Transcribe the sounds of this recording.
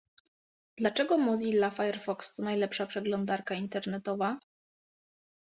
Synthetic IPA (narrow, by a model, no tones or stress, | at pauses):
d̪lat͡ʂɛɡɔmɔzilːafajɛɾfɔkst̪ɔnajlɛpʂapʂɛɡlɔnd̪aɾkaint̪ɛɾnɛt̪ɔva